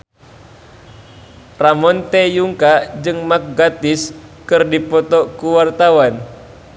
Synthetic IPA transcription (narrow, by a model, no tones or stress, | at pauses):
ramɔnt̪ɛjuŋkad͡ʒɨŋmak̚ɡat̪ɪskɨrdipɔt̪ɔkuwart̪awan